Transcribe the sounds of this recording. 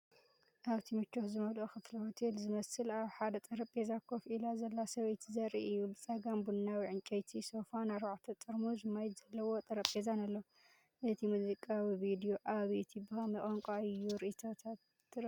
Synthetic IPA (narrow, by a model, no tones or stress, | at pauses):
ʔaβt̪ʰimɨt͡ʃːoxzɨmɐlʔoxɨflihot̪ʰelzɨmɐsɨlaβħad̪ɐt̪ʼɐɾɐpʼezakʰofilazɐlːasɐβɐjt̪ʰzɐɾʔḭʔɨjːubɨt͡sʼɐɡambunːawiʕɨnt͡ʃʼɐjt̪ʰisofanaɾβaʕt̪ʰɐt͡s̪ʼɨɾmuzɨmajt̪zɐlːɐwo̞t̪ʼɐɾɐpʼezanalːɐ | ʔɨt̪ʰimuzikʼawiβid̪io̞ʔaβit̪ʰibɨxɐmɨχʼoŋkʼaɨjːuɾɨʔit̪ʰot̪ʰat̪